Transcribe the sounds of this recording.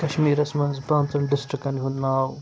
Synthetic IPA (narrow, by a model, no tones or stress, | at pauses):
kɐʃmiːɾɐsmɐnzpɾaːnt̪ɐɳɖɪsʈɾikɐnɦund̪naːw